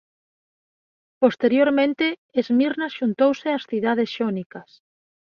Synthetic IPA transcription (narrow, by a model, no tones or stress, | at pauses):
post̪eɾjoɾmẽnt̪eːzmiɾnasʃunt̪owsɪasθiðaðesʃonikɐs